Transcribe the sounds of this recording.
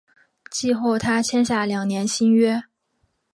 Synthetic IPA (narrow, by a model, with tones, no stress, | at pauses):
t͡ɕi˥˧xo˥˩ʊt̪ʰa˥t͡ɕʰjɛ˥nɕ̬ja˥˩ljɑ˨˩ŋnjɛ˧˥nɕi˥nɥɛ˥